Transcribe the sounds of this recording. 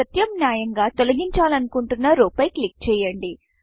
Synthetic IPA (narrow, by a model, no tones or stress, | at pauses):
ɐt̪jɐmnjaːjɐŋɡaːt̪olɐɡiɲt͡ʃaːlɐnukuɳʈunːɐɾuːpɐjklik̚t͡ʃɛːjɐɳɖi